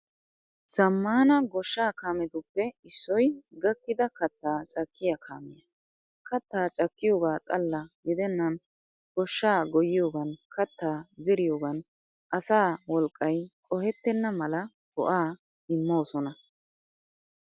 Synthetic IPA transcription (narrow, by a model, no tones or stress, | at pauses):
z̥ɐmːaːnɐɡɔʃːaːkaːmɛd̪ʊpːɛɪsːɔjɡɐkːɪd̪ɐkɐt̪ːaːt͡ʃʼɐkːɪjɐkʰa̰ːmɛjɐ | kɐt̪ːaːt͡ʃʼɐkːɪjo̞ːɡaːt̪ʼɐlːɐɡɪd̪ɛnːɐn | ɡ̥ɔʃːaːɡɔjɪjo̞ːɡɐnkʰɐt̪ːaːzɛɾɪjo̞ːɡɐn | ʔɐsaːwɔlkʼːɐjkʼɔhɛt̪ːɛnːɐmɐlɐ | bɔ̰ʔaː | ɪmːo̞ːsɔnɐ